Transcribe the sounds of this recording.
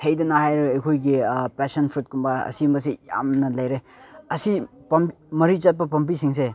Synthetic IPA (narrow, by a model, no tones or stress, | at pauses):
hejdɐnahajɾeɐjkʰojɡipesɐnpʰɾut̚kumbaɐ̰simbɐs̬ija̰mnɐlajɾe | ɐsipɐmimɐɾit͡ʃat̚pɐp̬ɐmpisiŋs̬e